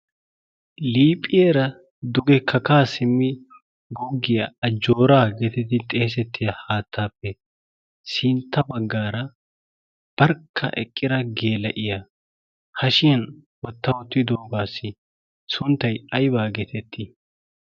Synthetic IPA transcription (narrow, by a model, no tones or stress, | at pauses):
liːpʼɪjeːɾɐ | d̪ʊɡɛkʰɐkaːsɪmːɪ | ɡɔɡːɪjɐɐd͡ʒːoːɾaːɡɛt̪ɛt̪ːɪt̪ʼeːs̬ɛt̪ːɪjɐhaːt̪ʰːaːpːɛ | sɪnt̪ʰːɐbɐɡːaːɾɐ | b̥ɐɾkʰːɐ̰ʔɛ̰kʼːɪdɐɡeːlɐʔɪjɐ | hɐʃɪjɐn | wɔt̪ːɐwɔt̪ːɪd̪oːɡaːsɪ | sʊnt̪ːɐjɐjbaːɡɛt̪ʰɛt̪ʰːɪ